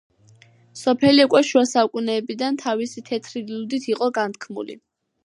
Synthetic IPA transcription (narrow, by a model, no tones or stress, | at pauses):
sɔpʰɛliukʼwɛʃuasaukʼunɛːbid̪ant̪ʰavisit̪ʰɛt̪ʰɾilud̪it̪ʰiqʼɔɡant̪̚ʰkʰmṵlḭ